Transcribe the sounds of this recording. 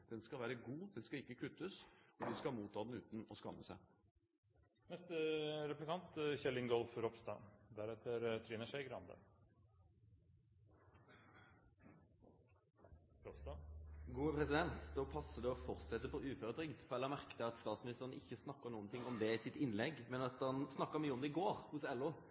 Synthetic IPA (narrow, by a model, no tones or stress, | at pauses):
d̪̥ɛnskɑʋæːɾəɡuːd̪ɛnskɑɪkːəkʰʉt̪ːəsɔd̪ɪskɑmuːt̪ʰːɑːd̪ɛnʉːt̪n̩ɔskɑ̰mːəsæɪ | nɛst̪əɾɛplɪkʰɑnt̪çɛlːɪŋɡɔlfɾɔpst̪ɑ̰ːd̪æɾɛt̪ʰəɾt̪ʰɾiːnəʂæɪɡɾɑnd̪ə̰ | ɾɔpst̪ɑɡuːəpʰʁɛsɪd̪ɛnt̪d̪ɔːpʰɑsːəd̪ɛɔfɔɾt̪sɛt̪ːəpɔʔʉːføʁəd̪ʁʏɡd̪fɔʁɛlːəmæʁkət̪əɑt̪st̪ɑːt̪smɪnɪst̪əʁənɪçːəsnɑkːəʁnuːənt̪ʰɪŋːɔmd̪ɛɪsɪt̪ɪnlɛɡmɛnɑt̪ɑnsnɑkːəmyːəɔmd̪ɛɪɡoːɾhʊsɛlːʊ